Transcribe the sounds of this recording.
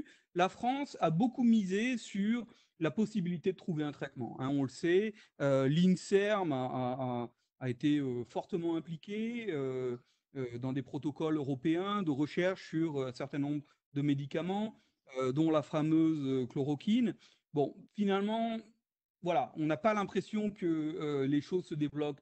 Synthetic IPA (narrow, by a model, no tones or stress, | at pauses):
lafχɑ̃sabokumizesyʁ | lapɔsibilit̪ed̪ət̪χuveɛ̃t̪χɛt̪mɑ̰̃ʔɛ̰̃ɔ̃ləsɛ | ølinsɛʁmaː | et̪eøfɔʁt̪əmɑ̃ɛ̃plikʲeø | ød̪ɑ̃d̪epχɔt̪ɔkɔløʁɔpeɛ̃d̪əʁəʃɛʁʃsyʁøɛ̃sɛʁt̪ɛ̃nɔ̃bʁ | d̪əmed̪ikamɑ̃ | ød̪ɔ̃lafamøzøklɔʁɔkʲʰin | bɔ̃finalmɑ̃ | vwalaɔ̰̃napalɛ̃pχesjɔ̃kəøleʃozsəd̪evlɔp